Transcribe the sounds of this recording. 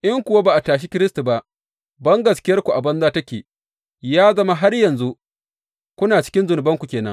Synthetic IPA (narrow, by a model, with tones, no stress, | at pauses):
ʔɪ˦ŋkʷʊ˨wa˦baː˨ʔa˨taː˨ʃ̬i˦kʲɪ˦ɾɪ˦stu˨ba˦ʔ | bɐ˦ŋɡɐ˨skʲɪ˦jɐ˦rkʷu˨ʔa˨bɐ˦nzaː˦tɐ˦kʲeː˨ | jaː˦zɐ˦ma˦ɦa˦rjɐ˨nzu˦ | kʷʊ˦naː˨t͡ʃɪ̥˦kʲɪ˦nzʊ˨nʊ˨bɐ˦ŋkʷu˨kʲeː˨nɐ̰˦ŋ